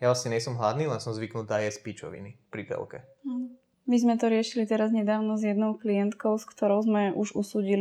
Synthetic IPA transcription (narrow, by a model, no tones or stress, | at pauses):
jaʋlasɲɛɲɛsɔmɦlad̪niːlɛnsɔmzʋiknuːt̪aːjɛspit͡ʃɔ̰ʋḭnipɾit̪ɛ̰lkɛ̰ | mizmɛt̪ɔɾɪɛʃilit̪ɛɾazɲɛd̪aːʊnɔzjɛd̪nɔʊklijɛnt̪kɔʊskt̪ɔɾɔʊzmɛʔuʒusuːɟil